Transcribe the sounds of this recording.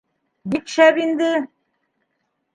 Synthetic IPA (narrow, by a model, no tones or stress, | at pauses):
bik̪ʃæβind̪ɘ